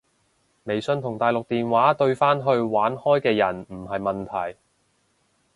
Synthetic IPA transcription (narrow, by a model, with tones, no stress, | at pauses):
me˨˩jsɵ˧nt̪ʰʊ˨˩ŋt̪aː˨jlʊ˨k̚t̪iː˨nwaː˨˥t̪ɵ˧ɥfaː˥nɦɵ˧ɥwaː˨˥nhɔː˥jkɛː˧jɐ˨˩nm̩˨˩ɦɐ˨jmɐ˨nt̪ʰɐ˨˩j